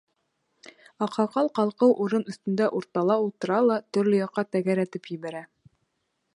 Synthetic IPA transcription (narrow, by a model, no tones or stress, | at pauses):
ɑqʰɑqɑlˠqɑlˠqɤwʔuɾɤnɵ̆θt̪ɵ̆nd̪æʔuɾt̪ɑlˠɑulˠt̪ɤ̆ɾɑlˠɑt̪ɵ̆ɾlɵjɑqːɑt̪æɡæɾæt̪ɘpjɘ̆βæɾæ